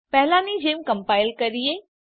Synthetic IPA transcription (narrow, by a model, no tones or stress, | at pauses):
pɛɦlãnid͡ʒeːmkəmpaːɪlkəɾie